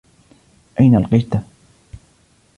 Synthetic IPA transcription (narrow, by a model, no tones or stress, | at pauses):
ʔajnaʔlqɑjt̪a